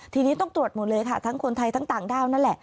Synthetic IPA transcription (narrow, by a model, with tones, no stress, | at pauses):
t̪ʰiː˧niː˦˥t̪ɔ˥˩ŋt̪u˨˩ət̪̚muː˨˩˦lɤː˧jkʰa˦˥˩t̪ʰa˦˥ŋkʰu˧nt̪ʰa˧jt̪ʰa˦˥ŋt̪aː˨˩˦ŋdaː˥˩wna˥nlɛ˨˩ʔ